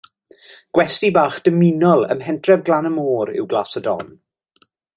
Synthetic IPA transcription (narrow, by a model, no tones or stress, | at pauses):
ɡ̥wɛstibaːχd̥əmɪnɔlˠə̰mɦɛntʰrɛvɡlˠanəmoːɾɪ̰wɡlˠaːsədɔ̰n